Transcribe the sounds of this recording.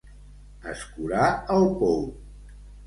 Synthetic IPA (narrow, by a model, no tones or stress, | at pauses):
ə̰skuɾaəlˠpow